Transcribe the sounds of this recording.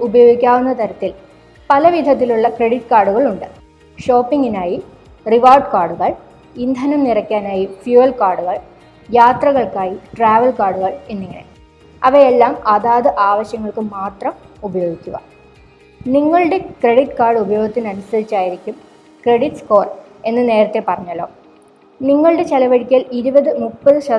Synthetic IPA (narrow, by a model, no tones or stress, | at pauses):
ubɐjo̞ːɡikʲːaːʋunːɐt̪ɐɾɐt̪ːil | pɐlɐʋid̪ʱɐt̪ːiluɭːɐkre̞ɽiʈːkaːrɖuɣɐɭuɳɖɨ | ɕo̞ːpːiŋɡinaːji | riʋaːrɖkaːrɖuɣɐɭ | ind̪ʱɐnɐmnirɐkʲːaːnaːjifjuɐlkaːrɖuɣɐɭ | jaːt̪rɐɣɐɭkaːjiʈraːʋɐlkaːɽuɣɐɭenːiŋːɐ̰ɳe̞̰ | ɐʋɐelːaːmɐðaːðɨʔaːʋɐɕjɐŋːɐɭkɨmaːt̪rɐmubɐjo̞ːɡikʲːuɣɐ̰ | niŋːɐɭuɽe̞kreɽiʈːkaːrɖɨubɐjoːɡit̪ːinɐnusɐðit͡ɕːaːjiɾikʲːum | kre̞ɽiʈsko̞ːr | e̞nːɨne̞ːɾɐt̪ːe̞pɐrɐɲːɐlːo̞̰ː | niŋːɐɭuɽe̞t͡ɕelɐʋɐɽikʲːaːliɾubɐðɨmupːɐðɨɕɐ